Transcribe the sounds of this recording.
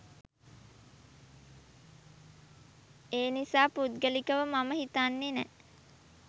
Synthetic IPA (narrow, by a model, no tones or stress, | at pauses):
eːnisaːpud̪̚ɡəlikəʋəmaməɦit̪anːenɛ̰